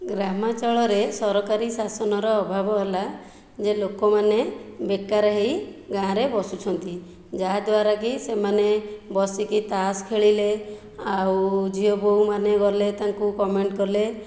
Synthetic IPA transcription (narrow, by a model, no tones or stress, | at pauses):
ɡɾamat͡ʃɔɭɔɾesɔɾɔkaɾisasɔnɔɾɔːbʱabɔɦela | d͡ʒelokɔmanebekaɾeɦejɡãɾebɔsut͡ʃʰɔnt̪i | d͡ʒad̪waɾakisemanebɔsikit̪askʰeɭile | awd͡ʒʱiɔbowmaneɡɔlet̪aŋkukɔmeɳʈkɔɾle